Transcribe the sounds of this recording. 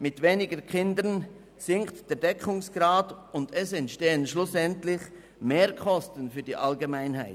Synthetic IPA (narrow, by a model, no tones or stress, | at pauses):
mɪtveːnɪɡəkʰɪndən | z̥ɪŋktd̥ɛːɐdɛkʰʊŋsɡ̥raːdʊndɛsɛntʃteːənʃlʊsɛntlɪç | meːɐkʰɔstən̩fyːɐd̥iːʔalɡemaɪnɦaɪ